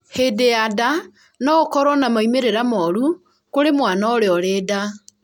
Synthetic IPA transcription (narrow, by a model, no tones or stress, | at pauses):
hedeada | nɔkɔɾɔnamaimeɾeɾamɔɾu | koɾemwaːnaoɾeɔɾeːda